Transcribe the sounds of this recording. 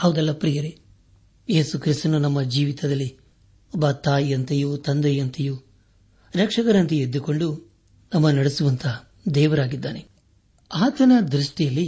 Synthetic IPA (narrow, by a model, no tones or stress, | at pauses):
hɐʋd̪ɐlːɐpɾiːjɐɾe | je̞ːsukɾist̪ɐnunɐmːɐd͡ʒiːʋit̪ɐd̪ɐlːi | bɐt̪ːaːjɐnt̪ɐjut̪ɐnd̪ɐjɐnt̪ɐju | ɾɐkʂɐkɐɾɐnt̪ijed̪ːuko̞ɳɖu | nɐmːɐnɐɽesuʋɐnt̪ʰɐ | d̪ɛːʋɐɾaːɡid̪ːaːne | aːt̪ɐnɐd̪ɾuʂʈijɐlːi